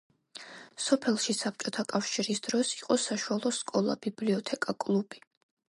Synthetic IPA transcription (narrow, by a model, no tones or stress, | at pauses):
sɔpʰɛlˠʃisap̚t͡ʃʼɔt̪ʰakʼafʃiɾisd̪̥ɾɔsi̥qʼɔsaʃualˠɔskʼɔlˠa̰b̥ibliɔt̪ʰɛkʼakʼlˠub̥i̥